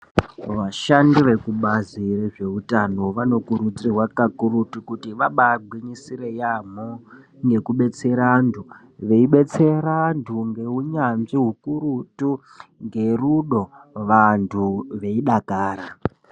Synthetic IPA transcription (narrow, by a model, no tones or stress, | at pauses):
ʋaʃandiʋe̞kuɓazireʐe̞utano̞ʋano̞kuɾud͡zirwakakuɾutukutiʋaɓaɡʱwiɲisiɾejam̤o | ŋɡe̞kuɓe̞t͡se̞ɾandʰu | ʋe̞iɓe̞t͡se̞ɾantʰuŋɡe̞ɦuɲamʐiɦukuɾutu | ŋɡe̞ruɗo̞ | ʋantʰuʋe̞iɗakaːɾa